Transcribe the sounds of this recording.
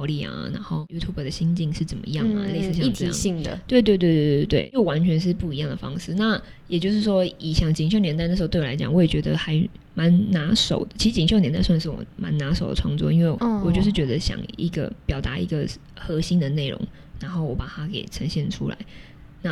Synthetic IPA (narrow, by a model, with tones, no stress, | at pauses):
ʊli˥˩a̰˨˩na̰˧˥nxo˥˩ʊju˥t̪ʰu˥bə˨˩d̪ə˩ɕi˥nt͡ɕi˥˧ŋʂɻ̩˥˩t͡sə˨˩nmə̰˩˧jɑ˥˩ŋm̰˨˩˧le˥˧ɪ˧ɹ̩˥˧ɕj̪ʰḭ˥˨˥i˥˩ŋd̪ə̰˨t̪we˥˧ɪt̪we˥˧ɪt̪we˥˧ɪt̪e˥˩˧t̪we˥˩ɪjo˥˩ʊwa˧˦nt͡ɕʰɥɛ˧˥nʂ̬ɻ̩˥˧pu˥˩i˧˥jɑ˥˩ŋd̪ə˩fɑ̰˥ŋʂɻ̩˥˧na˥˩ | jɛ˨˩t͡ɕjo˥˧ʂ̬ɻ̩˥˩ʂwɔ˥i˨˩ɕjɑ˥˩ŋt͡ɕi˨ŋɕjo˥˩ʊnjɛ˧na˥˧n̩˥˧˥t̪ːa˧ɪt͡ɕj̰ɑ˨˩ŋwɔ˧˥jɛ˨˩t͡ɕɥɛ˧˥d̪ə˧xa˧˥ɪ | ma˧˥nna˧˥ʂo˨˩ʊd̪ə˦t͡ɕʰi˧˥ʂɻ̩˧˥t͡ɕi˨ŋ˩ɕjʊnjɛ˧˥nt̪a˥˧ɪswa˥˧nʂɻ̩˥˩wɔ̰˨˩ma̰˧˦˥nna˧˥ʂo˨˩ʊd̪ə̰˩ʈ͡ʂʰwɑ˥˧ŋt͡swɔ̰˥˧i˥nwe˥˩ɪwɔ˨˩t͡ɕjo˥˧ʂɻ̩˥˩t͡ɕɥɛ˧˥d̪ə˧ɕjɑ̰˨˩ŋi˧˥ɡə̰˧˩pjɑ˨˩ʊt̪a˧˥ḭ˧˥ɡə˧ | xɤ˧˥ɕi˥nd̪ə˨ne˥˩ɪɻo̰˧˥ŋ | na˧˥nxo˥˩ʊwɔ˧˥pa˨˩t̪ʰa˥kḛ˨˩ɪʈ͡ʂʰə˧˥ŋɕjɛ˥˩nʈ͡ʂʰṵ˥la̰˧˦ɪ | na˥˩